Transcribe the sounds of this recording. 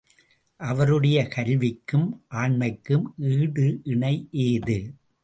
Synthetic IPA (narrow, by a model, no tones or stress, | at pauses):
ʔɐʋɐɾɯɽɐjɐkɐɾʋɪkːɯmʔaːɳmɐɪkːɯmʔiːɽɯʔɪɳɐɪʔeːðɯ